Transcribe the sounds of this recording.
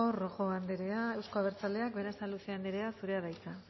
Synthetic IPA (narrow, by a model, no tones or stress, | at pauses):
oroxo̞and̪eɾe̞ae̞wsko̞aβ̞e̞ɾt͡sale̞ak̚be̞ɾasaluse̞and̪eɾe̞asuɾe̞aβajt͡sa